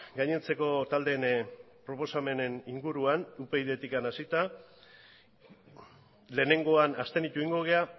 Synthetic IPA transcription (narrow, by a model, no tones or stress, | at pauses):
ɡajɲe̞nt͡se̞ko̞t̪ald̪e̞n | pɾo̞po̞same̞ne̞niŋɡuɾuanupe̞iðe̞t̪ikanasit̪a | le̞ːne̞ŋɡo̞anast̪e̞nit̪uiŋɡo̞ɣea